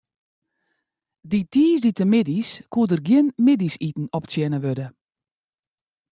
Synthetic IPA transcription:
ditʰiːsditəmɪdiskʰuədərɡjɪnmɪdisitn̩ɔpsjɛnəʋødə

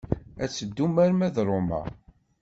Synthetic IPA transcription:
æt͡sːəd̪ːumæɾmæðɾˤomæ̰

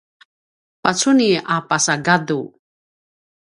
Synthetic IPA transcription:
pat͡suniapasaɡadu

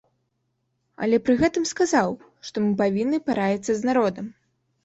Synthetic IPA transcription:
ɐ̰lʲɛpɾɨɣɛt̪ɨmskazaw | ʂt̪ɔmɨpavʲinːɨpaɾajʲit̪sːɐznaɾɔd̪ɐm

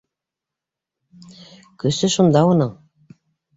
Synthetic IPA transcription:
kɵ̆sɘʃund̪ɑonɤɴ

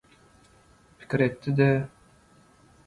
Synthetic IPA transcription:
pʰi̥kʲiɾet̪ːid̪ɛ

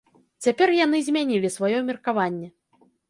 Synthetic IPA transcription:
t͡sʲapʲɛrjanɨzʲmʲanʲilʲisvajɔmʲirkavanʲːɛ

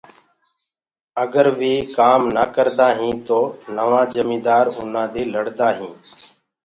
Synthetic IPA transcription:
əɡəɾʋiːkaːmnaːkəɾd̪aːɦĩːt̪oːnəʋãːd͡ʒəmĩːd̪aːɾɦʊnãːd̪eːləɽd̪aːɦĩː

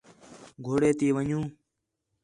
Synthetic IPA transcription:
ɡʱoːɽeːt̪iːʋəɲũː

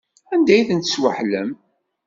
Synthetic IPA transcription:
ænd̪æjθənt̪əswə̰ħlə̰m

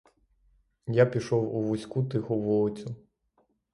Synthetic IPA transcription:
japʲiʃɔwuʋusʲkut̪ɪxʊʋɔɔt͡sʲʊ

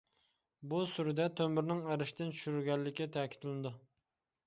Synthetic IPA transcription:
busyɾd̪ɛt̪ʰømyɾnɪŋæɾɪʃt̪ɪnt͡ʃʰy̥ʃyɾyɾɡʲɛlːɪkʲːɛt̪ʰɛːkʲi̥t̪lnɨd̪u

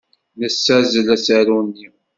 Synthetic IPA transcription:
nəsːæzlæsæɾunːi

